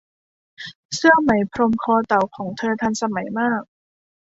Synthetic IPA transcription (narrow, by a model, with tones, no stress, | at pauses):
sɯ˥˩əma˩˦jpʰɾo˧mkʰɔː˧t̪a˨˩wkʰɔː˩˦ŋt̪ʰɤː˧t̪ʰa˧nsa˧ma˩˦jmaː˥˩k̚